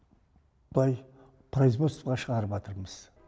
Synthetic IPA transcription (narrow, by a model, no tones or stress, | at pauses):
b̥lˠɑj | pʰɾojzmost̪ʁɑʃəʁɑɾəpɑt̪ʰəɾməz̥